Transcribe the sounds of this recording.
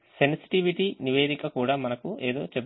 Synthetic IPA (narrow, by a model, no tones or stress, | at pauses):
se̞nsi̥ʈiʋiʈiniʋe̞ːd̪ikɐkuːɽaːmɐnɐkueːd̪o̞ːt͡ʃeb